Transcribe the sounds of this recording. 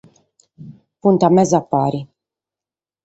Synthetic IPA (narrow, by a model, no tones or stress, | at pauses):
punt̪amezapaɾi